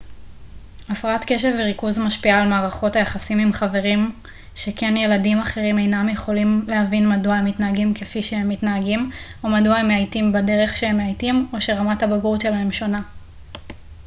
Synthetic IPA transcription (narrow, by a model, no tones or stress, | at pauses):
afʁaatke̞ʃeveʁikuzmaʃpiaːlmaːʁaχo̞tajaχasimimχave̞ʁim | ʃe̞kʰe̞nje̞ladimaχe̞ʁime̞jnamjeχo̞limlehavinmaduaemitnaaɡimkefiʃehemːitnaaɡimomaduaemeajtimbade̞ʁe̞χʃehemeajtimo̞ʃe̞ʁamathabaɡuʁʃe̞laɦe̞mʃo̞na